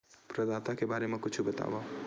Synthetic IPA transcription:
pɾəd̪at̪akebaːɾemẽkʊt͡ʃʰubət̪a̰ːba

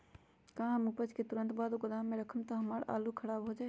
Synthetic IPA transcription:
kaɦãmupəd͡ʒket̪uɾənt̪bad̪okəd̪ameɾəkʰəmt̪ɔɦəməɾa̰lukʰəɽabɦod͡ʒaɛ

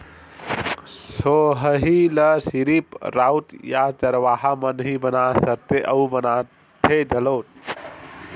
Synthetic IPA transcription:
soɦəɦiləsiɾipɾaut̪jat͡ʃəɾʋaɦamənɦibənasəɾt̪eʔəubəna | t̪ʰed͡ʒəlot̪̚

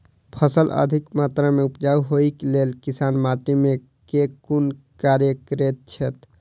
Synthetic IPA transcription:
pʰəsələ̰d̪ʱikmat̪ɾameupd͡ʒauɦoiklelkisanmaʈime | kekun | kaɾjəkɾet̪̚t͡ʃʰɛt̪

